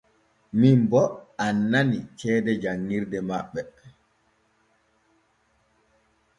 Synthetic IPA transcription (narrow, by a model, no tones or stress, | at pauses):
mimbɔanːanit͡ʃɛːdɛd͡ʒaŋːiɾdɛmaɓːɛ